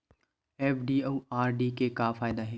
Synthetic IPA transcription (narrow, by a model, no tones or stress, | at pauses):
ɛːfɖiːoːaːɾɖikekaːfaːɪd̪aɦɛː